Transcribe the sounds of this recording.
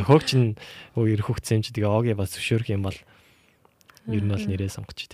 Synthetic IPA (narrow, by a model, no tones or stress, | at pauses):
xoːkt͡ɕʰɪ̆nuiɾɘ̆xuxt̪seːmt͡ɕʰt̪ɡeːɔːɣʲiːpast͡sʰɵ̥ʃoːɾɘ̆xɪmpɔɮ | jɵɾɘ̆nɔɮneɾeːsɔɴɢə̥̆t͡ɕʰt̪